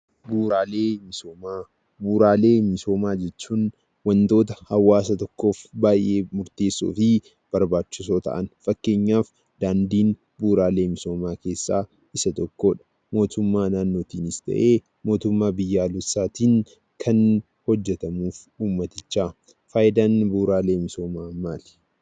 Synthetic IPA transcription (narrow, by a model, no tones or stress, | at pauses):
buːɾaːleːmɪsoːmaː | buːɾaːle̞ːmɪso̞ːmaːd͡ʒɛt͡ʃːuːn | wɐnt̪o̞ːt̪ɐhɐwːaːsɐt̪ɔkːo̞ːfbaːjʔe̞ːmʊɾt̪e̞ːsːṵːfɪ | b̥ɐɾbaːt͡ʃːɪs̬o̞ːt̪ɐ̰ʔɐnfɐkːe̞ːɲːaːf | d̪̥aːnd̪iːn | buːɾaːleːmɪso̞ːmaːkeːsːaː | ɪsɐt̪ɔkːo̞ːᶑɐ̥ | mo̞ːt̪ʊmːaːnaːnːoːt̪iːnɪst̪ɐ̰ʔeː | mo̞ːt̪ʊmːaːbɪjːaːlɔsːaːt̪iːŋ | kʰɐn | hɔd͡ʒːɛt̪ɐmuːf | uːmːɐt̪ɪt͡ʃːaː | faːʔɪd̪aːnbuːɾaːle̞ːmɪso̞ːmaːmaːlɪ̥